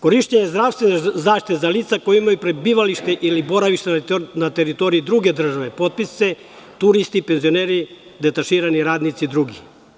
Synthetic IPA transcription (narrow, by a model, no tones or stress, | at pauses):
ko̞ɾiʃt̪eɲezd̪ɾaʋst̪ʋenezaːʃt̪it̪ezaliːt̪sakojimajupɾebiʋaliʃt̪eʔilibo̞ɾaʋiʃt̪enat̪eɾit̪o̞ɾiid̪ɾuɡed̪r̩ʒaʋepo̞t̪̚pisse | t̪uɾist̪ipenzio̞neɾi | d̪et̪aʃiːɾaniɾaːd̪nit̪sid̪ɾuɡi